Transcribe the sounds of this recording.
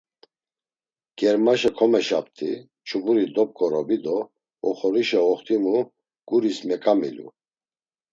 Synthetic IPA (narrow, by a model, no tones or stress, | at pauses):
ɡ̥ɛɾmaʃakʰɔmɛʃap̚t̪ʰʼi | t͡ʃʰubuɾid̪ɔp̚kʼɔɾɔbid̪ɔ | ɔχɔɾiʃɛɔχt̪ʰʼimu | ɡ̥uɾismɛkʼamḭlṵ